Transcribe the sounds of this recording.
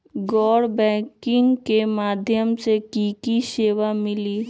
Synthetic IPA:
ɡɔːɽbɛ̃ːkɪŋkemaːd̪ʱjəmsekiːkiseːʋamɪliː

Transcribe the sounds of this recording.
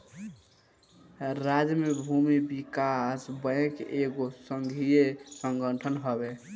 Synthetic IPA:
ɾad͡ʒmebʱumibikasbə̃keɡosəŋɡʱijesəŋɡəʈʰənɦəbe

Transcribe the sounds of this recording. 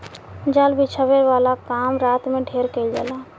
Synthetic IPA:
d͡ʒalbit͡ʃʰəβeɾʋalakamɾat̪mẽɖʱeɾkəild͡ʒa̰la

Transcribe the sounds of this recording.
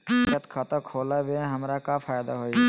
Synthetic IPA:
ət̪kʰat̪əkʰoːlabeɦɐmɾakafʰaːjd̪aɦoːi

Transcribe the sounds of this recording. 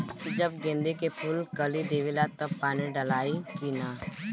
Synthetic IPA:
kid͡ʒɐbɡẽːnd̪ekepʰulkɐlid̪eːʋɪlat̪ɐb̚paːniɖɐlaːikina

